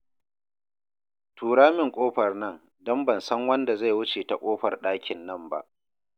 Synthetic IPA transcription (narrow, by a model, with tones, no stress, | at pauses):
tʰuː˨ɽaː˦mɪ˨ŋkʷʼoː˦ɸɐ˨rnɐ˦n | dɔ˦mbɐ˨nsɐ˦ŋwɐ˦nda˨za˦˨jwʊ˦t͡ʃeː˨ta˨kʷʼoː˦ɸɐ˨rɗaː˦kʲʰɪ˨nːɐ˦mba̰˦ʔ